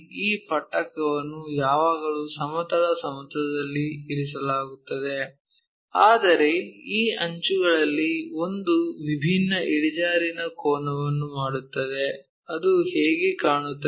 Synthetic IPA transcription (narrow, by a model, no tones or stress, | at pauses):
iːpɐʈːɐkɐʋɐnːujaːʋaːɡɐɭusɐmɐt̪ɐd̪ɐsɐmɐt̪ɐd̪ɐlːiːɾis̬ɐlaːɡut̪ːɐd̪e̞ | aːd̪ɐɾe̞iːɐɲt͡ʃuɡɐɭɐlːio̞nd̪uʋibʱinːɐʔiɽid͡ʒaːɾinɐkoːnɐʋɐnːumaːɽut̪ːɐd̪e̞ | ɐd̪uheːɡe̞kaːɳut̪ːɐ